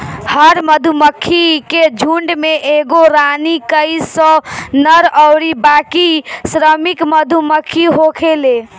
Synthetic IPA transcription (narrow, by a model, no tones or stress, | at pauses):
həɾməd̪ʱuməkʰːiked͡ʒʱuɳɖmeʔeɡoɾanikəɪsə̃nəɾəɾibakisɾəmikməd̪ʱuməkʰːiɦokʰele